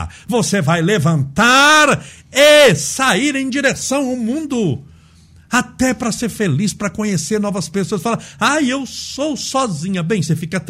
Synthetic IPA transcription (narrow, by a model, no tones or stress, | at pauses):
vosevajlevɐ̃nt̪aɾ | esaiɾẽj̃d͡ʒiɾesɐ̃w̃awmũnd̪ʊ | at̪ɛpɾɐseɾfelispɾɐkõɲeseɾnɔvɐspesoɐsfalɐ̃ajewsowsɔzĩɲɐbẽj̃sefikɐt̪